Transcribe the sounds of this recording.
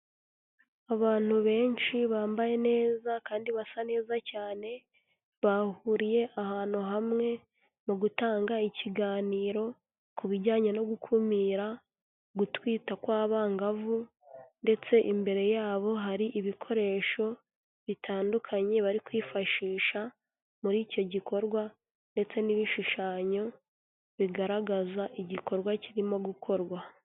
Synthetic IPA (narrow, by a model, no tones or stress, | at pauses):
aβaːn̥huβe̞ːnʃiβaːmbaje̞ne̞ːzakaːndiβasane̞ːzacaːne̞ | βahuɾije̞ʔahaːn̥uɦamŋe̞ | muɡutaːŋɡaiciɡaːniːɾo̞ | kuβiɟaːɲeno̞ɡukʰumiːɾa | ɡutwiːtakwaːβaŋɡavu | nde̞t͡se̞ʔimbe̞ɾe̞jaːβo̞ɦaɾiʔiβikʰo̞ɾe̞ːʃo̞ | βitʰaːndukʰaɲe̞βaɾikwiːfaʃiːʃa | muɾiːco̞ɟikʰo̞ɾɡwa | nde̞t͡se̞niβiʃuʃaːɲo̞ | βiɡaɾaɡazaʔiɟiko̞ɾɡwaciɾimo̞ɡukʰo̞ɾɡwa